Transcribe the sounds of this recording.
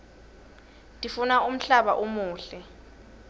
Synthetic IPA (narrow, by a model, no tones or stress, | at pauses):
tʼifunaum̩ɬaɓaʔumuːɬɛ